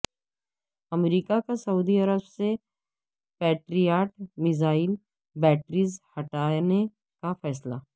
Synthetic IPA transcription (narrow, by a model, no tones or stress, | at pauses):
ɐmɾiːkakasɐuːd̪iɐɾəbse | pɛːʈɾijaːʈmɪzaːɪl | bɛːʈɾiːzhɐʈaːne | kafɛːsla